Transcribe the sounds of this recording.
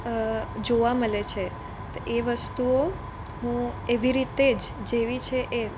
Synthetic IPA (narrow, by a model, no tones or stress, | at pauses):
d͡ʒoʋaməlet͡ʃʰe | t̪oʔeʋəst̪uo | ɦũeʋiɾit̪ed͡ʒd͡ʒeʋit͡ʃʰeʔe